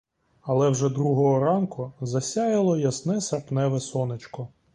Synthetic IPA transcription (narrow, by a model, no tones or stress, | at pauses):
ɐlˠɛwʒɛd̪ɾuɦɔɦɔɾɑnkʊzɐsʲɑjɐlˠɔjɐsnɛsɐrpnɛʋɛsɔnet͡ʃkɔ